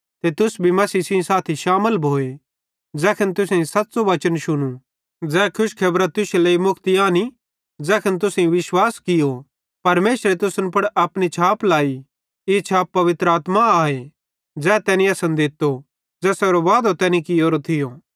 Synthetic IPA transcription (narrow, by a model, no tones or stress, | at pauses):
t̪et̪ʊsbʱimɐsiːsĩsaːt̪ʰiʃaːməlbʱoːe | d͡zɛːkʰɪnt̪ʊsẽsɐt̪ːsoʋɐt͡ʃənʃʊñu | d͡zɛːkʰʊʃkʰɐbɾat̪ːʊseleːimʊkʰt̪iaːni | d͡zɛːkʰɪnt̪̬ʊsĩʋɪʃwaːskɪjo | pɐɾmeːʃɾet̪ʊsənpɐɽɐpɽ̃it͡ʃʰaːplaːi | et͡ʃʰaːpːɐʋɪt̪ɾəaːt̪maaːe | d͡zɛːt̪ɛːnĩɐsə̃nd̪ɪt̪ːo | d͡zɛːsɛːɾoʋaːd̪ot̪ɛːnĩkioːɾot̪ʰɪjo